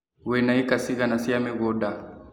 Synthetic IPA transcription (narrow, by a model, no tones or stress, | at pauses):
wɛnaikasiɣanasiamɛɣɔda